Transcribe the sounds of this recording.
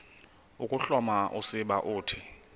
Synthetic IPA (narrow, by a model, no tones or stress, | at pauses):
ukʼuɬɔmaʔusɪɓaʔuːtʰi